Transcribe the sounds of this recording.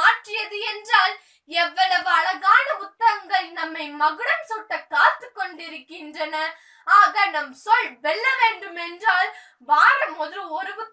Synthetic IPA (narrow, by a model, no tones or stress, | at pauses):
aːʈrɪjɐðɯɛndraːl | ɛʋːɐɭɐʋɯɐɭɐɣaːnɐʊt̪ːɐɾɐŋɡɐɭnɐmːɐɪmɐɣɯɽɐmsuːʈːɐkːaːt̪ːɯkːɔɳɖɪɾɯkːɪndrɐnɐ | aːɣɐnɐmsɔɭʋɛɭːɐʋeːɳɖɯmɛndraːl | ʋaːɻɐmɔðɯɔɾɯʋɯ